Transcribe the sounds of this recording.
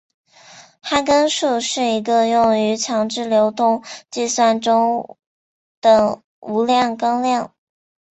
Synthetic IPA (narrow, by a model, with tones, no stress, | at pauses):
xa˥nkə˥nʂu˥˧ʂɻ̩˥˩i˧˥ɡə˧jʊ˥˩ŋy˧˥t͡ɕʰjɑ˧˥ŋʈ͡ʂɻ̩˥˩ljo˧˥ʊt̪ʊ˥˧ŋt͡ɕi˥˧swa˥˩nʈ͡ʂʊ˥ŋ | d̪̥ə˩ | u˧˥ljɑ˥˩ŋkɑ˥ŋljɑ˥˩ŋ